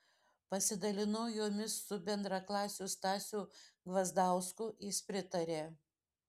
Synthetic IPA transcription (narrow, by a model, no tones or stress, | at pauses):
pɐsʲɪd̪ɐlʲɪnɐʊjoːmʲɪsːʊbʲɛnd̪ɾɑklˠɑːsʲust̪ɑːsʲuːɡʋɐzd̪ɑˑʊskʊjɪspʲɾʲɪt̪ɐɾʲeː